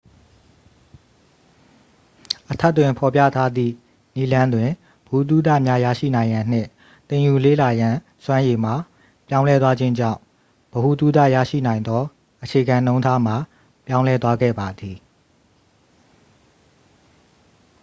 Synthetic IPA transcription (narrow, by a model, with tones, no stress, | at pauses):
ʔətʰɛ˦˨tːwɪ̃˨mpʰɔ˨pja̰˦˨tʰa˦d̪ðḭ˦˨ | ni˦lã˦ndwɪ̃˨ | bəhu˨t̪u˦d̪ä̰˦˨mja˦jä̰˦˨ʃḭ˦˨nã˨ɪ̃jã˨n̥ɪ̰̃˦˨ | t̪ẽ˨ju˨lḛ˦˨la˨jã˨ | swã˦je˨m̥a˨ | pjã˦ʊ̃lɛ˦t̪̬wa˦d͡ʑɪ̃˦ɲd͡ʑã̰˦˨ʊ̃ | b̥əhu˨t̪u˦d̪a̰˦˨ja̰˦˨ʃḭ˦˨nã˨ɪ̃nd̪ɔ˦ | ʔət͡ɕʰe˨ɡã˨nõ˦ʊ̃ntʰa˦m̥a˨ | pjã˦ʊ̃lɛ˦t̪wa˦ɡɛ̰˦˨ba˨d̪i˨